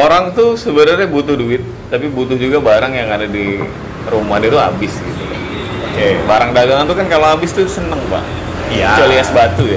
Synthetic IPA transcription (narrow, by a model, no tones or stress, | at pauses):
oɾaŋt̪usəbənərɲabut̪ʊhduɪt̪̚ːapibut̪ʊhd͡ʒuɡabaɾaŋjaŋadadi | rumahdɛt̪ua̰bɪsɡit̪uka̰h | okebaɾaŋdaɡaŋant̪ukankaloabɪst̪usənəŋpa̰ʔ | at͡ʃoliasbat̪uja